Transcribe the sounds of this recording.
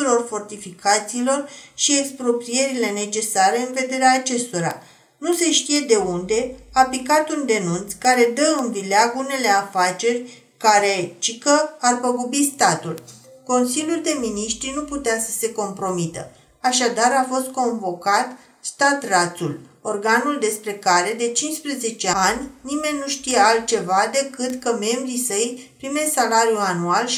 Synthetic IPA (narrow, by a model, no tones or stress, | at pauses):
uɾo̞rfo̞rt̪ifikat̪siːlo̞rʃie̞kspɾo̞pɾie̞ɾile̞ne̞t͡ʃe̞saɾe̞ɨnve̞d̪e̞ɾeaːt͡ʃe̞st̪o̞ɾa̰ | nuse̞ʃt̪ije̞d̪e̞und̪e̞apikat̪und̪e̞nunt̪skaɾe̞d̪əɨnbileaɡune̞le̞afat͡ʃe̞rʲ | kaɾe̞t͡ʃikəarpəɡobist̪at̪ulko̞nsilʲjuld̪e̞miniʃt̪ɾinuput̪easə̥se̞ko̞mpɾo̞mit̪ə̰ | aʃad̪aɾafo̞st̪̚ko̞ɱvo̞kat̪ | st̪at̪rat̪sulo̞rɡanuld̪e̞spɾe̞kaɾe̞d̪e̞t͡ʃinspɾəze̞t͡ʃe̞anʲnime̞nʲnuʃt̪ijealt̪̚t͡ʃe̞vad̪e̞kɨt̪kəme̞mbɾisəjpɾime̞salaɾjuanual